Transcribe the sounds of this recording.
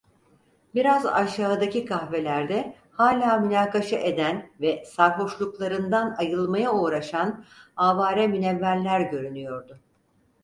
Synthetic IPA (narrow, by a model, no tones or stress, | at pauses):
biɾaza̰ʃaːd̪acikʰahve̞lʲæɾd̪ɛ | haːlʲaːmynaːkaʃaʔe̞d̪ænvɛsaɾɦoʃlˠuklˠaɾɯnd̪anajɯlˠmajaoːɾaʃanaːvaːɾɛminevːælʲlːʲæɾɟø̞ɾynyjo̞ɾd̪ʊ